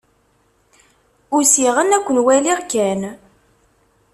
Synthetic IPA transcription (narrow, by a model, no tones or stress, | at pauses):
ʊsiʁənækʷːənwæliʁkæn